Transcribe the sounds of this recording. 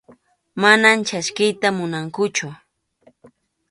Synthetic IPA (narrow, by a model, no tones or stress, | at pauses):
manamt͡ʃaskɪjt̪amʊnaŋkʊt͡ʃʊ